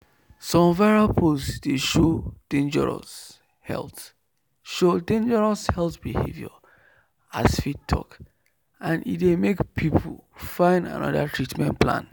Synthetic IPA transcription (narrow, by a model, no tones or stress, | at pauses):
sɔ̃mvaɹalpʰosd̥eʃod̥ẽnd͡ʒɛɹɔ̰s | hɛ̰lˠt | ʃodẽnd͡ʒɛɹɔshɛltbihḛvjɔ̰ | asfittʰːɔ̰k | ʔãnḭtdemekpʰipʰulfãɪ̃nda̰nɔ̰datʰɹitmɛ̰̃ntpʰlã̰n